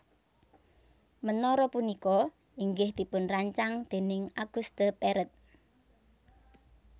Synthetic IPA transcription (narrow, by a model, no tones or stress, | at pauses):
mənɔɾɔpunikɔ | iŋɡɪhd̪ipʊnraɲt͡ʃaŋd̪̥e̤nɪŋaɡ̥ust̪əpeɾət̪̚